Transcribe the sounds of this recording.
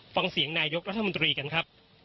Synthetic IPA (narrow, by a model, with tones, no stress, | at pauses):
fa˧ŋsi˩˦əŋnaː˧jo˦˥k̚ɾa˦t̪ʰːmo˧nt̪ɾiː˧ka˧nkʰa˦˥p̚